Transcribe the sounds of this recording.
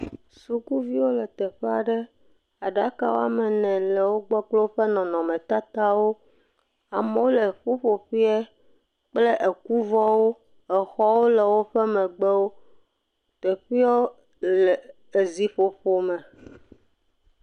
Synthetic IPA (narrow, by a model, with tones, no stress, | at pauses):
su˦ku˦vi˦wo˦lɛ˨t̪ɛ˨ɸɛ˦a˨ɖɛ˦ | a˨ɖa˦ka̰˨wo̰˦a˦mɛ̃˨nɛ̃˨lɛ˨wo˦ɡ͡bɔ˦k͡plo˦ɸɛ˦nɔ̃˨nɔ̃˨mɛ̃˨t̪a˦t̪a˦wo˦ | a˨me˦wo˦lɛ˨ɸu˦ɸo˨ɸi˦ɛ˦ | k͡ple˦ʔe˨ku˦vɔ˦wo˦ | ɛ˨xɔ˦wo˦lɛ˨wo˦ɸɛ˦mɛ̃˨ɡ͡bɛ˦wo˦ | t̪ɛ˨ɸi˦ɔ˦ | lɛ˨ | e˨zi˨ɸo˨ɸo˨mɛ̃˨